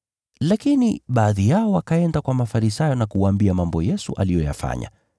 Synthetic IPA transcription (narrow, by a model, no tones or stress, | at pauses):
lakinḭɓaːðijaɔwakaɛndakwamafaɾisajɔnakuwaːmbiamambɔjɛsṵʔa̰lijɔja̰fa̰ɲa̰